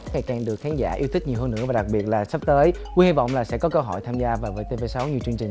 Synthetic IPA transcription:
ŋa˨˩jkaː˨˩ŋɗɨ˨˩ək̚xaː˨˦nza̰ː˧˩ʔi˧ət̪i˦˥k̚ɲi˨˩wɦəː˧nːʔɨ̰˧˥əvːɗa˨˩k̚ɓi˨˩ət̚laː˨˩sə˦˥p̚t̪əː˨˦jkwi˧hi˧vɔ̰˧˨wŋ͡mlaː˨˩sɛ̰˧˥kɔ˨˦kə˧wɦɔ̰˧˩jt̪ʰaː˧mzaː˧vaː˨˩vəː˨˦jt̪e˧ve˧sa˨˦wɲi˨˩ət͡ɕɨ˧əŋt͡ɕï˨˩

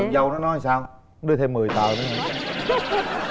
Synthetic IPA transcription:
zə˨˩wnɔ˨˦nɔ˧jsaː˧w | ɗɨ˧ət̪ʰe˧mːɨ˨˩əjt̪a̰ː˨˩wne˨˦nhə˨˧˩

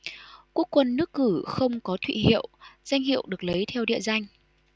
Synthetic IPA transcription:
ku˦˥əkːwə˧nːɨ˦˥əkːɨ˧˩xə˧wŋ͡mkɔ˨˦t̪ʰwḭ˧˨hḭ˧˨əwz̥a˧jŋ̟hḭ˧˨əwɗɨ˨˩ək̚lə˨˦jt̪ʰɛ˧wɗḭ˧˨əza˧jŋ̟

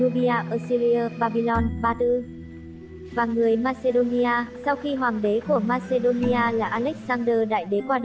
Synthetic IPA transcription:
u˧ɓi˧ʔaː˧ʔəː˧˩si˧li˧əː˧ɓaː˧ɓi˧lɔ˧nɓaː˧t̪ɨ˧ | vaː˨˩ŋɨ˨˩əjmaː˧se˧ɗo˧ni˧ʔaː˧sa˧wxi˧ɦwaː˨˩ŋɗe˨˦ku˧˩əmaː˧se˧ɗo˧ni˧ʔaː˧laː˨˩ʔaː˧lɛ˦˥k̚saː˧nɗəː˧ɗa̰ː˧˨jɗe˨˦kwaː˧ɗ

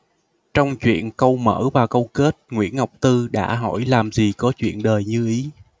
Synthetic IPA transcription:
t͡ɕɔ˧wŋ͡mt͡ɕwḭ˧˨ənkə˧wmə̰ː˧˥vaː˨˩kə˧wke˦˥t̚ŋwḭ˧˥ənha˨˩wk͡p̚t̪ɨ˧ɗa̰ː˧˥ɦɔ̰˧˩jlaː˨˩mzi˨˩kɔ˨˦t͡ɕwḭ˧˨ənɗəː˨˩jɲɨ˧ʔi˨˦

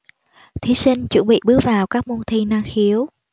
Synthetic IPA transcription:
t̪ʰi˨˦si˧ŋ̟t͡ɕwə̰˧˥nɓḭ˧˨ɓɨ˨˦˥ək̚vaː˨˩wkaː˦˥k̚mu˧nt̪ʰi˧naː˧ŋxi˨˦əw

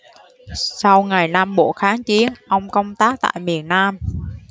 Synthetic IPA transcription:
sa˧wŋa˨˩jnaː˧mɓo̰˧˩xaː˨˦ŋt͡ɕi˨˦ənʔə˧wŋ͡mkə˧wŋ͡mt̪aː˦˥k̚t̪a̰ː˧˨jmi˨˩ənːaː˧m

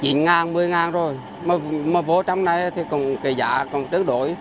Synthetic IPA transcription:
t͡ɕḭ˧˨ənŋaː˨˩nmɨ˨˩əjŋaː˨˩nzo˨˩j | məː˨˩məː˨˩vo˧˩t͡ɕa˧wŋ͡mna˨˩jt̪ʰi˨˩kɔ˨˩nke˨˩za̰ː˧˨kɔ˨˩nt͡ɕə˨˦ənɗo̰˧˨j

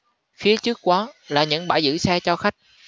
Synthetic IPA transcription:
fi˨˦ət͡ɕɨ˦˥ək̚kwɔ˨˦laː˨˩ɲɨ̰˧˥ŋɓaː˧˩jzɨ̰˧˥sɛː˧t͡ɕɔ˧xa˦˥jk̟̚

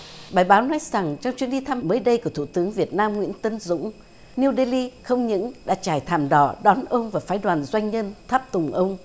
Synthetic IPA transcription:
ɓaː˨˩jɓaː˨˦wnɔ˨˦jza˨˩ŋt͡ɕɔ˧wŋ͡mt͡ɕi˨˦˥ənɗi˧t̪ʰa˧məː˨˦jɗə˧jku˧˩ət̪ʰu˧˩t̪ɨ˨˦əŋvi˨˩ət̚naː˧mŋwḭ˧˥ənt̪ə˨˦nzʊ̰˧˥ŋ͡m | ni˧wɗe˧li˧xə˧wŋ͡mɲɨ̰˧˥ŋɗa̰ː˧˥t͡ɕaː˧˩jt̪ʰaː˨˩mɗɔ̰˧˩ɗɔ˨˦nʔə˧wŋ͡mvaː˨˩faː˨˦jɗwaː˨˩nzwa˧jŋ̟ɲə˧nt̪ʰaː˦˥p̚t̪ʊ˨˩ŋ͡mʔə˧wŋ͡m

